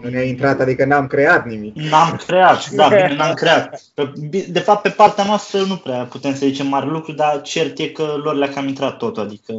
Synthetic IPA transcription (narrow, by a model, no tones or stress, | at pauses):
nuneaint̪ɾat̪ad̪ikənamkɾe̞at̪nimiknamkɾe̞at̪d̪abinenamkɾe̞at̪̚pebid̪e̞fap̚t̪̚pe̞part̪eanoast̪ɾənupɾeaput̪e̞msəzit͡ʃe̞mːaɾʲelukɾud̪at͡ʃe̞rt̪je̞kəloɾlakamint̪ɾat̪ːot̪uad̪ikə